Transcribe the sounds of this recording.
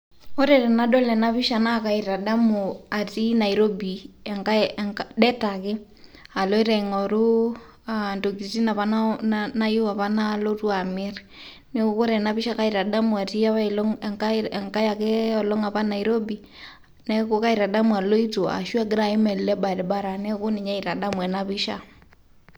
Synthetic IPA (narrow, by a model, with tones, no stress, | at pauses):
ɔ˦ɾɛɾɛ˨na˦dɔ˦lɛ˨na˦βi˦ʃa˨na˦ka˨i˨ɾa˨da˦mua˨ti˦na˨iɾo˦biɛ˨ŋkadɛ˦takɪ˦ | a˨lɔ˦i˦ɾɛŋɔɾu˦ | ando˨ɡi˨ti˦na˨βa˦nanna˦ju˦wa˨βa˦na˦lɔ˦tu˦a˨mɛ˦ɾ | ne˦ko˦ko˦ɾɛ˨na˦βɪ˦ʃa˦ka˦i˨ɾa˨da˦mu˨a˨ti˦a˦βa˦lɔ˦ŋŋkaɛŋka˦ja˨ke˦ɔ˨lɔ˦ŋa˨βa˦na˨i˨ɾo˦bi˨ | nɛ˦ko˦ka˦i˨ɾa˨da˦mwa˨lo˦i˦to˨a̰˨ʃwa˦ɡɪ˦ɾa˨i˦mɛ˨llɛ˦ba˨dɛ˨ba˦ɾa˨nɛ˦ko˦ni˨ɲa˦i˨ɾa˨da˦mwɛ˨na˦βɪ˦ʃa̰˦